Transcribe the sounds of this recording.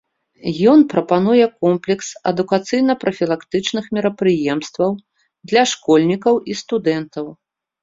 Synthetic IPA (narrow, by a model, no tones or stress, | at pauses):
jɔnpɾɐpanujɛkɔmplʲɛksɐ̰d̪ukat̪sɨjn̪ɐpɾɐfʲilˠakt̪ɨt͡ʂnɨxmʲiɾɐpɾɨjɛmst̪vɐw | d̪lʲɐʂkɔlʲnʲikɐwist̪ud̪ɛnt̪ɐw